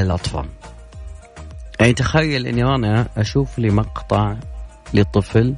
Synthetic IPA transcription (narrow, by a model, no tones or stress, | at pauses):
ɪlʔɑt̪ˤfɑ̰ːl | ʔant̪axajːalʔɪ̰nːiʔanaʔaʃuːflimɑqt̪ˤɑʕ | lət̪ˤːɨfl